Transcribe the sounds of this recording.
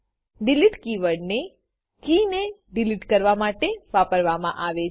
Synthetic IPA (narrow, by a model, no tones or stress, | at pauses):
ɖiliʈkiʋəɽne | kineɖiliʈkəɾʋamaʈeʋapəɾʋamã̰ʔaʋe